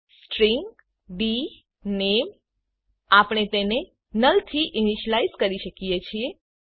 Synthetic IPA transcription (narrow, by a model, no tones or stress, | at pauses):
sʈɾiŋɡ | ɖi | nem | apəɽ̃et̪ene | nəlt̪ʰiʔiniʃəlaizkəɾiʃəkijet͡ʃʰie